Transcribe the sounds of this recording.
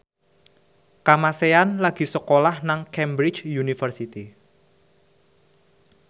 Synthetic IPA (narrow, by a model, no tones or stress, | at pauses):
kamaseanlaɡ̥i̤səkolahnaŋkɛmbɾɪ̥t͡ʃjunifərsit̪i